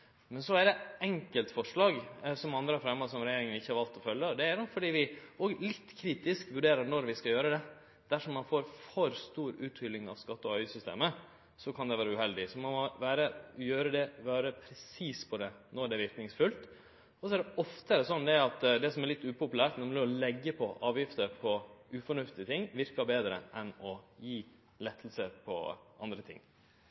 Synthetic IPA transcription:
mɛnsɔæɾɖ̪ɛɛŋkəlt̪fɔʂɭɑːɡsɔmɑnd̪ɾəhɑfɾɛmːosɔmɾɛjeːɾɪŋənɪçːəhɑɾʋɑlt̪ɔfœljːəɔd̪ɛæɾnɔfɔɖiːʋɪoːɡlɪt̪ːkʰɾiːt̪ɪskʋʉɖeːɾəɾnɔɾʋɪskɑjøːɾəd̪ɛ | d̪̥æʂɔmːɑnfoːɾfɔɾst̪uːɾʉːt̪hʏlːɪŋɑ̰ʋskɑt̪ːɔœʏsʏst̪ḛːmə | sɔkʰɑnd̪ɛʋæːɾəʉhɛld̪ɪsɔmɔmɔʋæːɾəjøːɾəd̪ɛʋɑːɾəpʰɾɛsiːspʰɔd̪ɛ | nɔɖ̪ɛʋɪɾknɪŋsfʉlt̪ | ɔsɔæɖ̪ɛʔɔft̪əɛɾɛsɔnːd̪ɛæɾɑt̪d̪ɛsɔmæɾɭlɪt̪ːʉːpʰʊpʉlæːɾʈ̪nɔɾmlɪɔlɛɡːəpʰɔʔɑːʋjɪft̪əɾpʰɔʉfɔɳʉft̪ɪət̪ʰɪŋːʋɪɾkɑbeːd̪ɾə̰ʔɛnɔjiː | lɛt̪ʰːəl̩səɾpʰɔ̰ʔɑnd̪ɾət̪ʰɪ̰ŋː

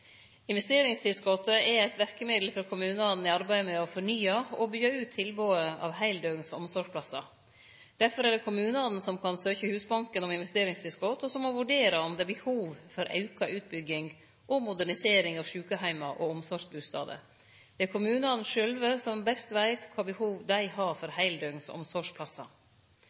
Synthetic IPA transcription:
ɪnʋɛst̪eːɾɪŋst̪ʰɪlskɔt̪əɛæɪt̪ʋæɾkəmɪd̪l̩fɾɔkʰʊmʉːnəɑnn̩ɪɑɾbæɪmɛɔfɔɳyːɑɔbyɑʉːt̪ʰːɪlboːəɑ̰ʋhæɪld̪øːsɔ̰msɔʂpʰlɑsːɑ̰ | d̪̥æɾfɔɾæɖɛkʰʊmʉːnəɑd̪n̩sɔmkʰɑnsøːçəhʉːsbɑŋkənɔmɪnʋɛst̪eːɾɪŋst̪ʰɪlskɔt̪ɔsɔmːɔʋʉɖeːɾɑɔmd̪ɛːbəhuːʋfɔɾʔɑ̰ʉkɑʔʉːt̪̚bʏɡɪŋ | ʔɔmʊd̪æɳɪseːɾɪŋɑːʋʂʉːkəhæɪmɑʔɔɔmsɔʂbʉːst̪ɑ̰ːd̪ə̰ | d̪̥ɛæɾkʰʊmʉːnəɑnn̩ʂœlʋəsɔmbɛst̪ʋæɪt̪kʰʋɑːbəhuːʋd̪æɪhɑːfɔɾhæɪld̪œɡnsɔ̰msɔʂpʰlɑsːɑ̰

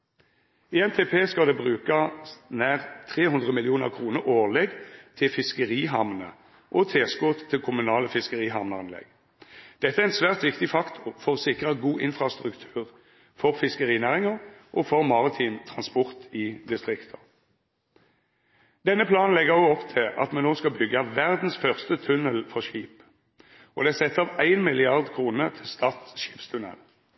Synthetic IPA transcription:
iːɛnt̪ʰeːpʰeːskɑld̪eːbʁʉːkɑnæːʁt̪ʰʁeːhʉnd̪ʁəmɪlɪuːnə̰ʁkʰʁuːnəʁoːʁleːɡt̪ʰɪlfɪskəʁiːɦɑmnə̰ | ʔoːt̪ʰeːskʊʁt̪ʰːɪlkʰʊmʉnɑːləfɪskəʁiːɦɑmnəɑnlɛ̰ɡ̥ | d̪̥ɛt̪ːəæɛɛnsʋæːʁt̪ʋɪkt̪ɪfɑkt̪ʰʊfɔʁoːsɪkʁəɡuːʔɪnfʁɑst̪ʁʉkt̪ʰʉ̥ːʁ | fɔʁfɪskəʁiːnæːʁɪŋəʁʔɔfɔʁmɑʁɪt̪ʰiːnt̪ʰʁɑnspɔʁt̪ɪd̪ɪst̪ʁɪkt̪ʰə | d̪̥ɛnːəpʰlɑːnn̩lɛɡəoːɔpt̪ʰɪlʔɑ̰t̪mɛnoːskɑbʏɡəʋæʁd̪n̩sfœʁst̪ət̪ʰʉnəlfɔʁʃiːp | ʔɔd̪ɛæsɛt̪ːɑːʋæɪnmɪlɪɑʁd̪kʰʁuːnət̪ʰɪlst̪ʰɑːʁt̪ʃi̥ːpst̪ʰʉnɛ̰l

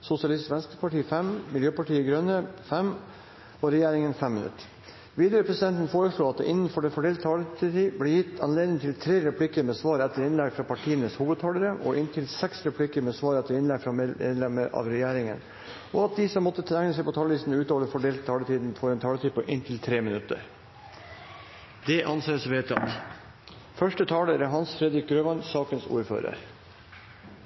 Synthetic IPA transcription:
sʊsɪɑlɪst̪ʋɛnskəpɑʈiːfɛmmɪljøːpɑʈiːəɡɾœnːəfɛm | ɔɾɛjæːɾɪŋənfɛmːɪnʉ̰t̪ː | ʋiːd̪əɾəpʰɾɛsɪd̪ɛnt̪ən̩foːɾəʂɭuːɑt̪̚d̪ɛ̰ʔɪnːən̩fɔɖɛfɔɖeːlt̪t̪ʰɑːlət̪iːblɛjɪt̪ːɑnleːd̪nɪŋt̪ʰɪlt̪ʰɾeːɾɛpʰlɪkəɾmɛːsʋɑːɾɛt̪ːəɾɪnlɛɡfɾɑːpʰɑʈʰiːənəshuːʋəd̪̚t̪ʰɑːləɾəʔɔ̰ʔɪnt̪ʰɪlsɛksɾɛpʰlɪkəɾmɛːsʋɑːɾɛt̪ːəɾɪnlɛɡfɾɑmeːd̪lɛməɾɑ̰ʋɾɛjeːɾɪŋə̰n | ʔɔɑt̪̚d̪ɪsɔmːɔt̪ːət̪ʰɾæŋnəsɛɪpʰɔt̪ʰɑːləʋiːsn̩ʉːt̪ɑːləfɔɖeːlt̪t̪ʰːɑːlət̪ʰiːd̪n̩fɔɾɛnt̪ʰɑːlət̪ʰiːpəʔɪnt̪ʰɪlt̪ʰɾeːmɪnʉt̪ːə̰ɾ | d̪ɛʔɑnseːsʋeːt̪ɑ̰t̪ | fœʂʈət̪ʰɑːləɾəɦɑnsfɾɛd̪ɾɪk̚ɡɾøːʋɑnsɑːkənsṵːɾfø̰ːɾə̰ɾ

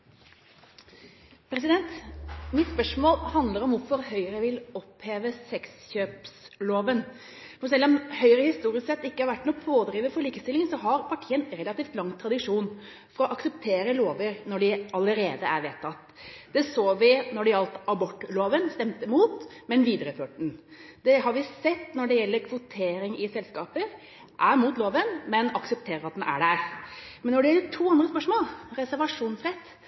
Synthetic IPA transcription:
pʰɾɛs̬ɪd̪ɛnt̪mɪt̪spœʂmoːlhɑnd̪ləɾɔmʋʊɾfɔɾhœʏɾəʋɪlɔpheːʋəsɛksçøːps | loːʋən | fɔɾsɛlːɔmhœʏɾəhɪst̪uːɾɪsksɛt̪ːɪkːəhɑɾʋæʈːnuːpʰoːd̪ɾiːʋəfɔɭiːkəst̪ɪlɪŋsɔɦɑɾpʰɑʈʰiːənɾɛlɑt̪iːft̪lɑŋːt̪ʰɾɑd̪ɪʂuːn | fɔɾɔʔɑksɛpt̪ʰeːɾəloːʋəɾnɔɖɪɑləɾeːd̪əæɾʋeːt̪ʰːɑt̪ | d̪̥ɛsoːʋɪnɔɖɛɑlt̪ɑbɔʈːloːʋənst̪ɛmt̪əmuːt̪mɛnʋiːd̪ɾəføːʈ̚ɖɳ̩d̪ɛɦɑɾʋɪsɛt̪ːnɔɖɛjɛlːəɾkʰʋʊt̪ʰeːɾɪŋɪsɛlskɑːpəɾ | ʔæɾmuːt̪loːʋənmɛnɑksəp̚t̪ʰeːɾəɾɑt̪̚d̪ɛnʔæ̰ɖæɾmɛnːɔɖɛjɛlːəʈʰuːɑnd̪ɾəspœʂmoːlɾɛsæɾʋɑʂuːnsɾɛt̪ː

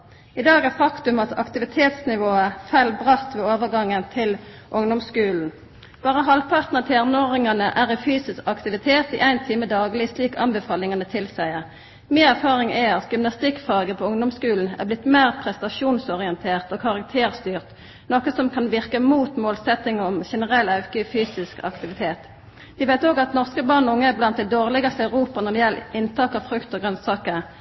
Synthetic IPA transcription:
ɪd̪ɑːɡæʁfɑkt̪ʉmɑt̪ʰɑ̰kt̪ɪʋɪt̪ʰeːt̪snɪʋoːəfælbʁɑt̪ʋeːoːʋəɡɑŋːənt̪ʰɪl | ʔʊŋd̪ɔmskʉːln̩ | b̥ɑːʁəɦɑlpʰɑʁt̪nəʁt̪ʰɪɛʁnoʁɪŋɑnəʔæʁɪfyːsɪskɑkt̪ɪʋɪt̪ʰeːt̪ḭʔæɪnt̪ʰiːməd̪ɑːɡlɪsliːkɑ̰nbɛfɑːlɪŋɑnət̪ʰɪlsæɪəʁ | miːnæʁfɑːʁɪŋɛɑt̪ɡʏmnɑst̪ɪkfɑːɡəpʰɔʊŋd̪ɔmskʉːln̩æ̰ʁblɪt̪ːmeːʁpʰʁɛst̪ɑʃuːnsɔʁɪɛnt̪ʰeːʁt̪ɔkʰɑʁɑk̚t̪ʰeːʁst̪yːʁt̪ | nɔkəsɔmkʰɑnʋɪʁkəmuːt̪moːlsɛt̪ːɪŋəɔmʃɛnəʁɛlːɑʉkəfyːsɪskɑ̰kt̪ɪʋɪt̪ʰeːt̪ | ʋ̪ɪʋæɪt̪oːɡɑt̪nɔʁskəbɑʁnɔʊŋːəæblɑnt̪d̪ɛd̪oːʁlɪɡɑst̪ɑʉʁuːpɑnɔmjɛlɪnt̪ʰɑːkɑʋfʁʉkt̪ɔɡʁœnsɑːkə

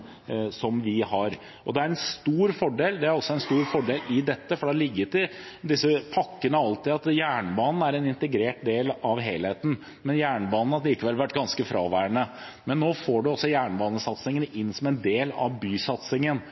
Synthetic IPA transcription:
sɔmʋɪhɑɾ | ʔɔ̰d̪ɛæɾɛnst̪uːɾfɔɖeːld̪ɛæɾɔsːɔɛnst̪uːɾfɔɖeːlɪd̪ɛt̪ːəfɔɖɑːlɪɡːət̪ɪd̪ɪsːəpʰɑkːənəɑlt̪ɪːɑt̪jæːɳbɑːnn̩æɾɛnɪnt̪əɡɾeːʈ̚d̪eːlɑʋɦeɪlheːt̪n̩ | mɛnjæːɳəbɑːnn̩ɑt̪liːkəʋɛlʋæʈːɡɑnskəfɾɑːʋæːɳə | mɛnːoːfoːɖʉɔsːɔjæːɳbɑːnəsɑt̪sɪŋənɪnːsɔmɛnd̪eːlɑ̰ʋbyːsɑt̪sɪŋən

